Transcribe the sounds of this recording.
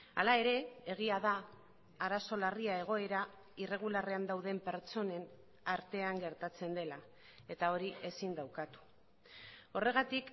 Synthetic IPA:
a̰lae̞ɾe̞eɣ̞iaðaː | ɾaso̞lariae̞ɣ̞o̞e̞ɾa | ire̞ɣ̞ulare̞and̪awðe̞mpe̞ɾt͡so̞ne̞n | aɾt̪e̞aŋɡe̞ɾt̪at͡se̞nd̪e̞la | e̞t̪ao̞ɾie̞sind̪awkat̪u̥ | o̞re̞ɣ̞at̪ik

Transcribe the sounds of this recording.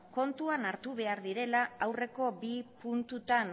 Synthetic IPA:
ko̞nt̪uanaɾt̪uβe̞aɾðiɾe̞laawre̞ko̞bipunt̪ut̪an

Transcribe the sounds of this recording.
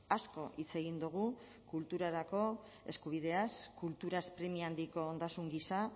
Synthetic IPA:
asko̞ʔit͡se̞ɣ̞ind̪uɣ̞u | kult̪uɾaɾako̞ | e̞skuβ̞ið̞e̞askult̪uɾaspɾemiand̪iko̞ːnd̪asuŋɡisa

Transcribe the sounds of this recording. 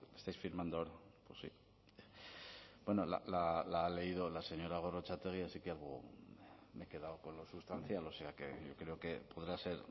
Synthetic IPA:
est̪ajsfiɾmand̪ooɾaposḭ | bweno̞la̰lalaːle̞ið̞o̞lase̞ɲo̞ɾaɣ̞o̞ro̞t͡ʃat̪e̞ɣ̞iasike̞alɣ̞o | meke̞ð̞aoko̞nlo̞sust̪an̟θjalo̞se̞ake̞̰ʝo̞kɾe̞oke̞po̞ð̞ɾase̞ɾ

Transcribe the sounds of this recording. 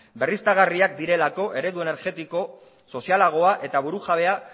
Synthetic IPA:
be̞rist̪aɣ̞ariak̚d̪iɾe̞lako̞ʔe̞ɾe̞ðue̞ne̞ɾʝe̞t̪iko̞ | so̞sialaɣ̞o̞aʔe̞t̪aβuɾuʝaβ̞e̞a

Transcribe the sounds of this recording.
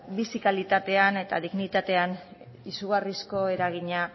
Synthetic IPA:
bisikalit̪at̪e̞ane̞t̪a̰ðiɣnit̪at̪e̞an | isuɣ̞arisko̞e̞ɾaɣ̞iɲa

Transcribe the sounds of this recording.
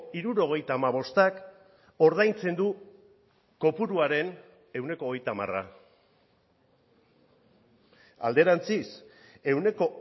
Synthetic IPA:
iɾuɾo̞ɣ̞e̞jt̪aːmaβ̞o̞st̪ak | o̞ɾð̞ajnt͡se̞nd̪u | ko̞puɾuaɾe̞n | e̞wne̞koːɣe̞jt̪ama̰ra̰ | a̰ld̪e̞ɾant͡sise̞wne̞ko̞

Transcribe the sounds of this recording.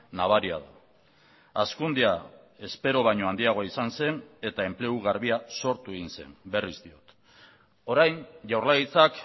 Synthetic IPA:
naβ̞aɾiaða̰ | askund̪ia | e̞spe̞ɾo̞βajɲo̞and̪iaɣ̞o̞aisanse̞ne̞t̪ae̞mple̞uɣaɾβiaso̞ɾt̪ue̞ɣinse̞̰mbe̞rizd̪io̞t̪ | o̞ɾajɲʝawrlaɣit͡sak

